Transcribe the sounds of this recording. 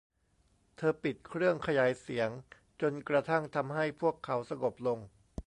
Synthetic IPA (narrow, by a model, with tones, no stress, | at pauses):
t̪ʰɤː˧pi˨˩t̪̚kʰɾɯ˥˩əŋkʰa˧jaː˩˦jsi˩˦əŋ | t͡ɕo˧nkɾa˧t̪ʰa˥˩ŋt̪ʰa˧mɦa˥˩jpʰu˥˩əkʰːa˩˦wsa˧ŋo˨˩p̚lo˧ŋ